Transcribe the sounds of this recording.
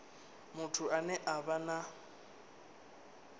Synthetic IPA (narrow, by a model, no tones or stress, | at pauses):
mʊtʰʊanɛʔabana